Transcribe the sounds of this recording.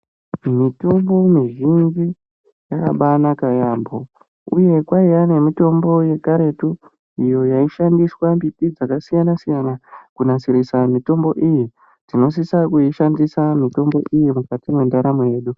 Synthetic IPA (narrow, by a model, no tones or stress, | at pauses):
mitumbo̞miʒind͡ʒi | jaka̰ɓanakajambo̞ | uje̞kwaijane̞mito̞mbo̞je̞kaɾe̞tu | ijo̞jaiʃandiswambipid͡zakasijanasijanakunasiɾisamito̞mbo̞ʔiji | d͡zino̞s̬isakuiʃandisamito̞mbo̞̰ʔijimukatimwe̞ndaɾamoje̞ːɗu